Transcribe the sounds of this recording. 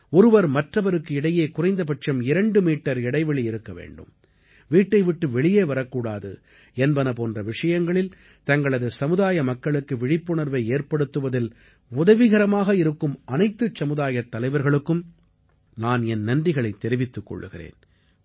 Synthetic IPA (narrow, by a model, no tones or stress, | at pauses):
ɔɾɯʋɐɾmɐʈrɐʋɐɾɯkːɯɪɽɐjeːkʊrɐɪnd̪ɐp̬ɐʈt͡ʃɐmɪɾɐɳɖɯmiːʈːɐɾɪɽɐɪʋɛɭiɪɾɯkːɐʋḛːɳɖɯ̰m | ʋiːʈːɐɪʋɪʈːɯʋɛɭɪjeːʋɐɾɐkːuːɽaːðɯ̰ | ɛnbɐnɐpoːndrɐʋɪʂɐjɐŋɡɐɭɪl | t̪ɐŋɡɐɭɐðɯsɐmɯðaːjɐmɐkːɐɭɯkːɯʋɪɻɪpːɯɳɐɾʋɐɪeːrpɐɽɯt̪ːɯʋɐðɪl | ʊðɐʋɪɣɐɾɐmaːɣɐɪɾɯkːɯmʔɐnɐɪt̪ːɯt͡ʃːɐmɯðaːjɐt̪ːɐlɐɪʋɐɾɣɐɭɯkːɯm | naːnɛnnɐnrɪɣɐɭɐɪt̪ːɛɾɪʋɪt̪ːɯkːɔ̰ɭːɯ̰ɣɪrḛːn